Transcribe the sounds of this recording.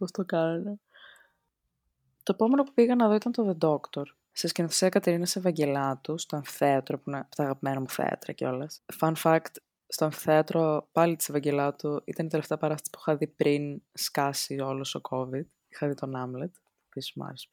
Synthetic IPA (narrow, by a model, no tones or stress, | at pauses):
post̪okɐnune | t̪o̞epo̞me̞nopupiɣɐnɐðo̞it̪ɐnt̪o̞ðe̞d̪o̞kt̪o̞ɾ | sescenoθeseɐkɐt̪eɾinɐsevɐɲɟe̞lɐt̪ust̪oeɱfi̥θeɐt̪ɾopuneɐpot̪ɐːɣɐpimenɐmuθḛɐ̰t̪ɾɐ̰ceo̞lɐsfɐnfɐkt̪ | st̪oeɱfi̥θeɐt̪ɾopɐlit̪isevɐɲɟe̞lɐt̪uḭt̪ɐnit̪e̞le̞ft̪eɐpɐɾɐst̪ɐ̥si̥pixɐðipɾinskɐsio̞lost̪okʰo̞vid̪̥ | ixɐðit̪o̞nɐmlet̪ | pismuɐ̰ɾesu